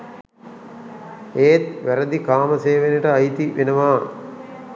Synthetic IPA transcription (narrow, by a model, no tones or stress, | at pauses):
eːt̪ʋæɾɐd̪ikaːmɐseːʋenɐʈəɐjt̪iʋenɐʋaː